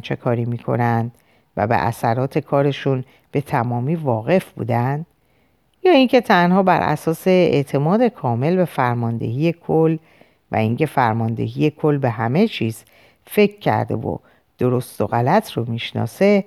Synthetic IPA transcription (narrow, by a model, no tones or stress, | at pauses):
t͡ʃʰe̞kʰɒːɾiːmiːkʰo̞̰nænd̪̥ | væ̰bḛʔæ̰sæɾɒːt̪ʰe̞kʰɒːɾe̞ʃun | b̥e̞t̪ʰæmɒːmiːvɒːɣe̞fbṵːd̪ænd̪̥ | jɒːiŋcʰe̞t̪ʰænhɒːbæ̰ɾʔæ̰sɒːse̞ḛʔt̪ʰe̞mɒːd̪e̞kʰɒːme̞lbe̞fæɾmɒːnd̪e̞̰hiːje̞kʰolː | væ̰iŋcʰe̞fæɾmɒːnd̪e̞̰ɦiːje̞kʰo̞lːbe̞ɦæme̞t͡ʃʰiːz̥ | fe̞cʰːæ̰ɾd̪ḛvo̰ | d̪̥o̞ɾo̞st̪o̞̰ɣælæt̪ʰromiːʃnɒ̰ːse̞